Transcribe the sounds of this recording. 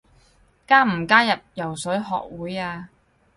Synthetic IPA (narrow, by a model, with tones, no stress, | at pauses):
kaː˥m̩˨˩kaː˥jɐ˨p̚jɐ˨˩wsɵ˨˥ɥɦɔ̰ː˨k̚wuː˨˥jaː˧